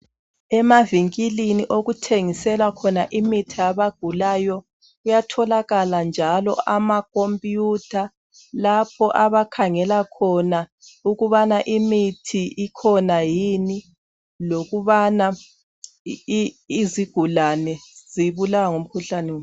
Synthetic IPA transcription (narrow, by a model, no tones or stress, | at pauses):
ɛmaviŋkʼiliniʔoɣutʰeŋisɛlwakʰɔnaʔimitʰiaβaɡ̥ʱulajɔ | ujatʰɔlaɣaland͡ʒʱalɔʔamakʼompʼjutʰa | lapʰɔʔaβakʰaŋɛlakʰɔnauɣuβanaʔimitʰiʔikʰɔnajini | loɣuβana | ziɡ̥ʱulanɛz̥iβulawaŋom̩kʰuɬanɛweːm